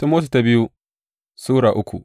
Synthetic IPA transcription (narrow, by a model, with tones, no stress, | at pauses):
tu˦moː˦tu˨ta˦bɪ˦ju˦ | suː˦ɽaː˨ʔʊ˦kʷṵ˨ʔ